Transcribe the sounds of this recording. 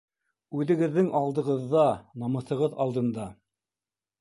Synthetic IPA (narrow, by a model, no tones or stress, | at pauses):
ʉðɘ̆ɡɘ̆ðːɘŋɑlˠd̪ɤ̆ʁɤ̆ðːɑnɑmɤ̆θɤ̆ʁɤðɑlˠd̪ɤ̆nd̪ɑ